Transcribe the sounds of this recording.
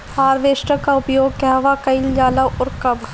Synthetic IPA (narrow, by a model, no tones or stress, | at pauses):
haːɾʋeːʃʈəkaʊpjoːɡ̚kɛːɦʋakɐiljaːlaʔɔɾkɐbʱ